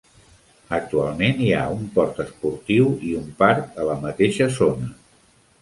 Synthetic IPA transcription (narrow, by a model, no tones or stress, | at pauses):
ək̚t̪ualˠmenia̰umpɔɾt̪əspuɾt̪iwiumpaɾk̚ələmət̪eʃəzonə